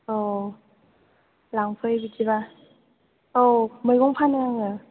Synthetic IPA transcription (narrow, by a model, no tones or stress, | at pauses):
o | laŋpʰɯjbitiβa | omɯjkɔŋpʰanɯjaŋɯ